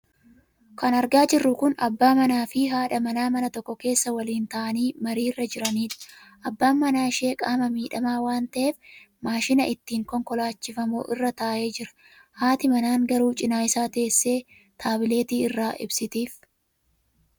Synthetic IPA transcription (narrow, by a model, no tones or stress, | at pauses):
kɐnɐɾɡaːd͡ʒɪrːʊkʊnɐ̰bːaːmɐnaːfɪɦaːᶑɐmɐnaːmɐnɐt̪ɔkːɔke̞ːsːɐwɐliːnt̪ɐʔɐniːmɐɾiːrːɐd͡ʒɪɾɐniːᶑɐ̥ | ʔɐbːaːmːɐnaːɪʃe̞ːkʼaːmɐmiːᶑɐmaːwaːnt̪ɐʔe̞ːf | maːʃɪnɐʔɪt̪ːiːŋkɔŋkɔlaːt͡ʃːɪfɐmo̰ːʔɪ̰rːɐt̪aːʔe̞ːd͡ʒɪɾɐ̥ | haːt̪ɪmɐnaːŋɡɐɾuːt͡ʃʼɪnaːjɪsaːt̪eːsːe̞ː | t̪ʰaːbɪle̞ːt̪iːɪrːaːʔɪ̰bsɪt̪iːf